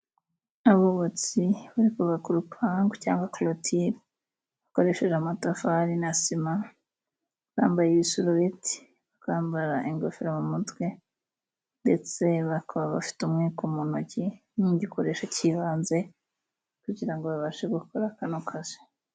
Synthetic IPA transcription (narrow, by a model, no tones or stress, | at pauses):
aβoβot͡siβuɾikuβakuɾupʰaːŋɡoca̰ːŋɡwaklotʰiɾ | βako̞ɾe̞ʃe̞ʒamatafaɾinasima | βaːmbajeβisuɾuβetʰi̥ | βakaːmbaɾaʔeŋɡofeɾamumutwe | ndet͡se̞βakʰoβaβa̰fi̥tumŋiːkomunoɟiniɲɟikoɾe̞ʃaciβaːnze̞ | kuɟiɾaŋɡoβaβaʃeɡukʰoɾakanokʰaze̥